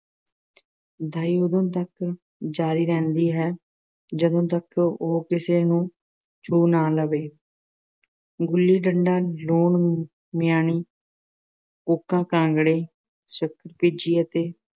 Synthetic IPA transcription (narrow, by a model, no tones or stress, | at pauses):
d̪ʱaːiːoːd̪õːt̪ək | d͡ʒaːɾiːɾɛ̃ːnd̪iːɦɛː | d͡ʒəd̪õːt̪̬əkoːkɪseːnũː | t͡ʃoːnaːləʋeː | ɡʊlːiːɖəɳɖaːloːɳ | mɪjaːɳ̃iː | oːkːãːkãːŋɡɽeː | səkʰːəɾpiːd͡ʒiːət̪eː